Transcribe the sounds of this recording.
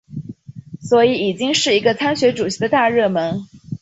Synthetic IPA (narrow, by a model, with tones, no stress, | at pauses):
swɔ˧˥i˧˥i˨˩t͡ɕi˥ŋʂɻ̩˥˩i˧˥ɡə˧t͡sʰa˥nɕɥɛ˧˥ʈ͡ʂu˨˩ɕi˧˥d̪ə˧t̪a˥˧ɻɤ˥˩mə˧˥n